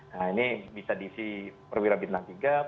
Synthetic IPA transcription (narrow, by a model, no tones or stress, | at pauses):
nainibisadiːsipərwiɾabit̪̚nant̪iɡa